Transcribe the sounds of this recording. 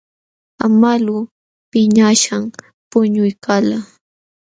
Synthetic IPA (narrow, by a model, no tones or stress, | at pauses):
amalu | pɪɲaʃam | pʊɲʊjkʰala